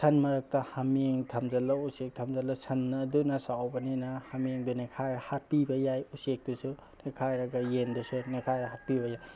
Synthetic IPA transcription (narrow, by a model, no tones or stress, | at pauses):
sʰɐnmɐɾɐk̚tɐhamiŋtʰɐmzɐlausek̚tʰɐmzɐlasʰɐnːdunɐsawbɐninahamiŋdunekʰajɾahat̚pibɐjajusek̚dusu | nekʰajɾaɡɐjendusunekʰajɾaɦat̚pibɐjaj